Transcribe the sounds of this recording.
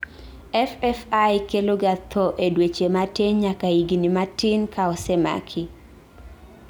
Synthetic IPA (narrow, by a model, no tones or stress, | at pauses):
ɛfɛfajkeloɡat̪ʰɔʔedwet͡ʃematɪɲɲakaiɡinimatɪnkʰaɔsema̰kʰi